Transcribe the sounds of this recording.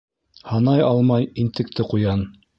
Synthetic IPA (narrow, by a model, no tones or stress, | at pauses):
hɑnɑjɑlˠmɑjint̪ɘ̆k̚t̪ʰɘqujɑn